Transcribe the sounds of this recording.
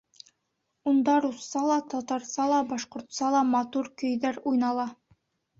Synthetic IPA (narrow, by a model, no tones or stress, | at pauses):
und̪ɑɾusːɑlˠɑt̪ɒt̪ɑɾsɑlˠɑbɑʃqŏɾt̪sɑlˠɑmɑt̪uɾkɵ̆jðæɾujnɑlˠɑ